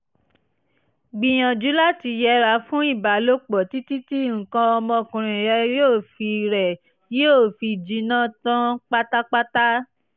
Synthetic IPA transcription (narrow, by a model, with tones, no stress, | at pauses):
ɡ͡bĩ˨j̃ã˨d͡ʒu˨˦la˦ti˧jɛ˦ɾa˧˦fũ˦i˦˨ba˨lo˦k͡pɔ˨ti˦ti˦ti˦˨ŋ̩˨kã˧ɔ˧mɔ̃˧˨kũ˨ɾ̃ĩ˨ɾɛ˧˦joː˦˨fi˧ɾɛ˨ | je˦o˦˨fi˧˨d͡ʒi˨˧nã˦tã˦k͡pa˦ta˦k͡pa˦ta˦